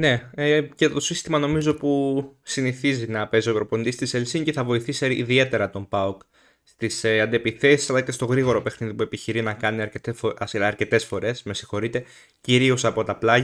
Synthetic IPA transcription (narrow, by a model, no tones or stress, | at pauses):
ne̞ece̞t̪o̞sist̪imɐno̞mizo̞pusiniθizinɐpe̞ziopɾo̞po̞nd̪ist̪iselsiɲce̞θɐvo̞iθiseiðie̞t̪e̞ɾɐt̪o̞mbɐuk | st̪iseɐnd̪epiθe̞si̥sɐlɐce̞st̪o̞ɣɾiɣo̞ɾo̞pe̞xniðipue̞piçiɾinɐkɐniɐɾcet̪esɐɾce̞t̪esfo̞ɾe̞sme̞si̥xo̞ɾit̪e̞ | ciɾio̞sɐpo̞t̪ɐplɐʝɐ